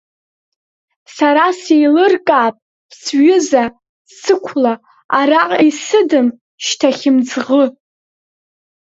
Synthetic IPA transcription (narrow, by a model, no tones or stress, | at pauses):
saɾasejlɨrkʼaːpʼʰ | sɥʏza | sɨkʷʰla | araqʼijsɨdɨm | ʃtʰaχʲɪmd͡zʁə